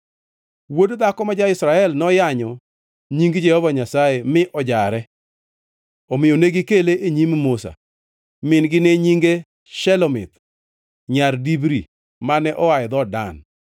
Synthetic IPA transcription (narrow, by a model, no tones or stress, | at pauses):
wodd̪akɔmad͡ʒaɪsɾaɛlnɔjaɲɔ | ɲiŋɡd͡ʒɛhɔvaɲasajemɪʔɔd͡ʒaɾɛ | ɔmɪjoneɡɪkeleʔeɲimmosa̰ | mɪnɡɪneɲiŋɡe | ʃɛlɔmɪ̰t̪ | ɲardibɾi | manɛʔɔwajd̪ɔda̰n